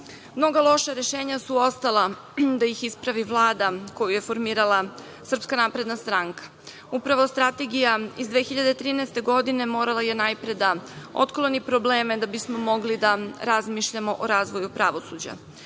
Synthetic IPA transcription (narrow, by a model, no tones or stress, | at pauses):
mno̞ɡalˠo̞ʃaɾe̞ʃeːɲasuo̞st̪alˠa | d̪ajixispɾaʋiʋlˠaːd̪ako̞juje̞fo̞ɾmiːɾalˠa | sr̩pskanaːpɾe̞d̪nast̪ɾaŋkḁ | upɾaʋo̞st̪ɾat̪e̞ɡijaizd̪ʋe̞xiʎad̪et̪ɾiːnɛest̪e̞ɡo̞d̪ine̞mo̞ːɾalˠajenajpɾed̪ao̰t̪klˠo̞nipɾobleːmed̪abismo̞mo̞ɡlid̪aɾazmiːʃʎamo̞ʔoɾaːzʋo̞jupɾaʋo̞sud͡ʑa̰